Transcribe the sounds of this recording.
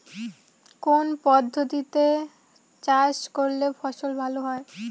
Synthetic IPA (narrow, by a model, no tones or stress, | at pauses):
konpɔd̪ʱːot̪it̪e | t͡ɕaʃkoɾlefʰɔʃolbʱaloɦɔe